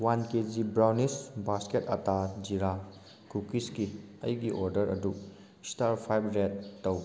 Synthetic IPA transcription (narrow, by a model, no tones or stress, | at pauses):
wanked͡ʒibɾawnisbasketatad͡ʒiɾa | kukiskiɐ̰jɡiʔoɾdɐɾɐ̰du | staɾpʰajbɾetːɐw